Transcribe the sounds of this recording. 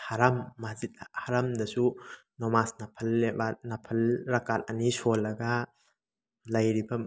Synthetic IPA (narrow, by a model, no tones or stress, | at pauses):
haɾamːazit̚ahaɾamdɐsu | nɔmasnɐpʰɐlebanɐpʰɐlɾɐkat̚ɐnisolːɐɡa | lɐjɾibɐ